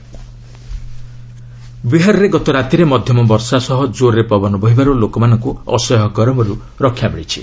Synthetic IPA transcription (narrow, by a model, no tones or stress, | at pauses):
biɦaɾɔɾeɡɔt̪ɔɾat̪iɾemɔd̪ʱjɔmɔbɔɾsasɔɦɔd͡ʒoɾɾepɔbɔnɔbɔɦibaɾulokɔmanɔŋkuɔ̰sɔjɔɦɔkɔɾɔmɔɾu | ɾɔkʰːjamiɭit͡ʃʰi̥̰